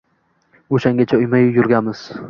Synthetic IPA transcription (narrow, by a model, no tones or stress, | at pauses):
oʃaŋɡʲat͡ʃʰaʊjmajʊjʊɾɡʲamɪz̥